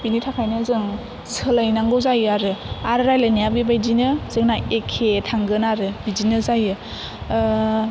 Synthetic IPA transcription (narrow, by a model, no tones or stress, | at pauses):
binitʰakʰajnɯzɯŋ | sɯlajnaŋɡɔzajɯaɾɯaɾɯɾajlanijabɯbajdinɯzɯŋnaekʰːetʰaŋɡɯnaɾɯbidinɯzajɯ